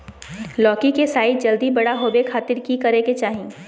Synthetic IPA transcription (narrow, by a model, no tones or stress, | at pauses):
lɔːkikesaːɪt̪̚d͡ʒɐld̪ibɐɽaɦoːbekʰaːt̪ɪɾkikɐɾeket͡ʃaːɦĩ